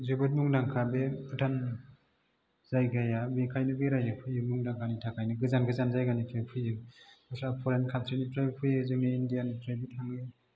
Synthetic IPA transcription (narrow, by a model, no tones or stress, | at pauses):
zɯbɯt̚muŋdaŋkʰabepʰɯtʰan | zajɡajabikʰajnɯɡɯjɾajapʰɯjɯmuŋdaŋkʰanitʰakʰajnɯɡɯzanɡɯzanzajɡanitʰɾajpʰɯjɯasɾapʰɔɾenkʰantʰɾinitɾajbpʰɯjɯzɯŋniːndijanitɾajbitʰaŋɯ